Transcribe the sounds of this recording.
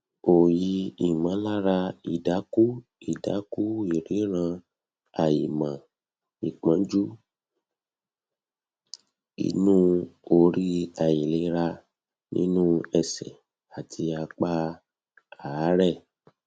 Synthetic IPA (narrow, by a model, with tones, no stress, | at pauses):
o˨ji˨˧˦i˨mã˨˦la˦ɾa˧i˨da˨˦ku˦i˦˨da˨˦ku˦i˨ɾe˨˦ɾ̃ã˧ | a˨ji˨mã˨ | i˨k͡pã˨˦d͡ʒu˦ | ḭ˧˦nũː˦o˧ɾi˦a˨ji˨le˨˦ɾa˧ | nḭ̃˦nũː˦ɛ˧˨sɛ˨ | a˨tʰi˧a˧k͡pa˦ | a˨˦ɾɛ˦˨